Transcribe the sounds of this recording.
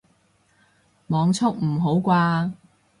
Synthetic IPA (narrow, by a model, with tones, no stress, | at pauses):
mɔː˨˧ŋt͡sʰʊ˥k̚m̩˨˩ɦo˨˥wkʷaː˧